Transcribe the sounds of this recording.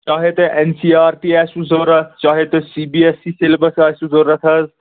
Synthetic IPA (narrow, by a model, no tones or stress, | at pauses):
t͡ʃaːɦet̪eʔensiːaːɾʈiɛsuzoɾɐt͡ʃaːɦet̪esibiesiselbɐsasuzoɾɐt̪ʰɐz